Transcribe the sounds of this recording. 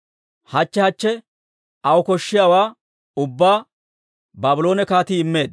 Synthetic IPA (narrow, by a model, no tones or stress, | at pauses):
hɐt͡ʃːɛhɐt͡ʃːɛ | ɐwɔkɔʃːɪjaːwaː | ʊbːaː | baːbɪloːnɛkaːt̪iːɪmːe̞ːd̪